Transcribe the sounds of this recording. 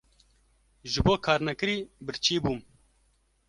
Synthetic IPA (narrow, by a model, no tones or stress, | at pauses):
ʒɨboːkʰɑːɾnɛkɨɾiːbɨɾt͡ʃʰiːbuːm